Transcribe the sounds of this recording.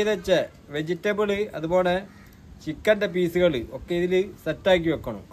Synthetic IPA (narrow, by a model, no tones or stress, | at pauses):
ðɐt͡ɕːɐ | ʋed͡ʑitːɐbɨɭɨɐ̰ðubo̞ːɭe | t͡ɕikːɐndɐp̬iːsuɣɐɭɨokːeiðilɨsɐtːaːk̬ʲːiʋekːɐɳṵ